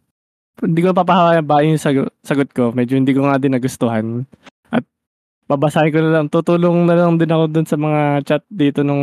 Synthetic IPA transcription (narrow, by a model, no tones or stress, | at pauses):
hɪnd̪iːkonɐpap̬ɐhɐwaːjɐbaːʔɪjʊŋsɐɡsɐɡot̪̚ko̞mɛd͡ʒohɪnd̪iːkoŋaːd̪ɪnːɐɡʊst̪ʊhan | ʔɐt̪̚ | pɐbɐsaːhɐnkonɐlɐŋt̪ʊt̪uːloŋnɐlɐŋd̪ɪnɐko̞d̪ʊnsɐmɐŋat͡ʃat̪̚d̪iːt̪onʊŋ